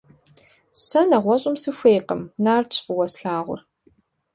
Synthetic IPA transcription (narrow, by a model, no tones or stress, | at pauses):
sɐnɐʁʷɔɕʼɪmsɨxʷeːjqə̰mnaːrdʰɕʷʼʊwɐsɬaːʁʷʊ̰r